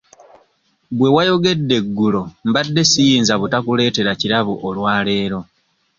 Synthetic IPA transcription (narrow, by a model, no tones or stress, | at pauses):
βwe̞wajo̞ɡe̞dːe̞ɡːulo̞mbadːe̞sijiːnzaβutakule̞ːte̞ɾaciɾaβuʔolwaːle̞ːɾo̞